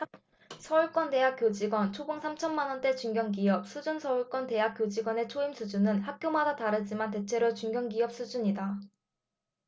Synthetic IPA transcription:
sʰʌuɭk͈wʌnte̞ɦak͈jod͡ʑiɡwʌnt͡ɕʰobɯŋsʰamt͡ɕʰʌnmanʌnt͈e̞t͡ɕuŋɡjʌŋɡiʌp̚sʰud͡ʑunsʰʌuɭk͈wʌnte̞ɦak͈jod͡ʑiɡwʌne̞t͡ɕʰoimsʰud͡ʑunɯnhak̚k͈jomadataɾɯd͡ʑimante̞t͡ɕʰe̞ɾot͡ɕuŋɡjʌŋɡiʌp̚s͈ʰud͡ʑuɲida

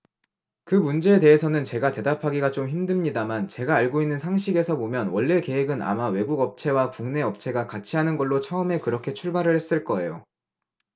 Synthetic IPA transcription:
kɯmund͡ʑe̞ːteɦesʰʌnɯnt͡ɕe̞ɡate̞dapʰaɡiɡat͡ɕomçimdɯmɲidamant͡ɕe̞ɡaːɭɡoinːɯnsʰaŋɕ̬ʰiɡe̞sʰʌbomjʌnwʌɭːe̞ke̞ɦeɡɯna̰mawe̞ɡuɡʌp̚t͡ɕʰe̞wakuŋne̞ʌp̚t͡ɕʰe̞ɡakat͡ɕʰiɦanɯnɡʌɭːot͡ɕʰaɯme̞kɯɾʌkʰe̞t͡ɕʰuɭbaɾɯɭhe̞s͈ɯɭk͈ʌe̞̰jo

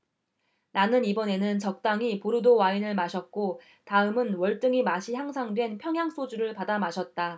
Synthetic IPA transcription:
nanɯnibʌne̞nɯnt͡ɕʌk̚t͈aŋipuɾɯdowainɯɭmaɕʰʌt̚k͈o | taɯmɯnwʌɭt͈ɯŋimaɕʰiçjaŋsʰaŋdwe̞npʰjʌŋɦjaŋsʰod͡ʑuɾɯɭpadamaɕʰʌt̚t͈a

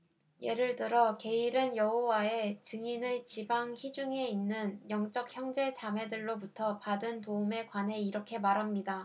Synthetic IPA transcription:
je̞ɾɯɭtɯɾʌke̞iɾɯnjʌɦowae̞t͡ɕɯŋinɯt͡ɕibaŋçid͡ʑuŋe̞inːɯnjʌŋt͡ɕ͈ʌk̚çjʌŋd͡ʑe̞t͡ɕamɦe̞dɯɭːobutʰʌpadɯntoume̞kwanɦe̞iɾʌkʰe̞maɾɦamɲida

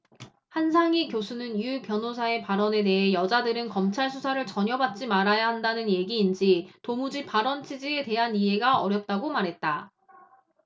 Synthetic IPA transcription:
hansʰaŋikjosʰunɯnjupjʌnos̬ʰae̞paɾʌne̞de̞ɦe̞jʌd͡ʑadɯɾɯnkʌmt͡ɕʰaɭsʰusʰaɾɯɭt͡ɕʌɲjʌbat̚t͡ɕ͈imaɾajaɦandanɯnje̞ɡiːnd͡ʑitomud͡ʑipaɾʌnt͡ɕʰid͡ʑie̞te̞ɦaniɦe̞ɡaʌɾjʌp̚t͈aɡomaɾɦe̞t̚t͈a

